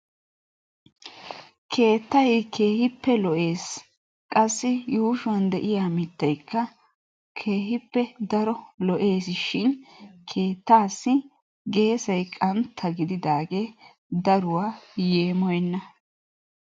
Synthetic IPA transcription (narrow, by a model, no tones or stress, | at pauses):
kʰe̞ːt̪ːɐjkʰe̞ːhɪpːɛlɔʔe̞ːs | kʼɐsːɪjuːʃʊwɐnd̪ɛʔɪjaːmɪt̪ːɐjkːɐ | kʰe̞ːhɪpːɛd̪ɐɾɔlɔʔe̞ːsʃɪnkʰe̞ːt̪ːaːsːɪ | ɡe̞ːsɐjkʼɐnt̪ʰːɐɡɪd̪ɪd̪aːɡe̞ː | d̪ɐɾʊwaːje̞ːmɔjɛnːɐ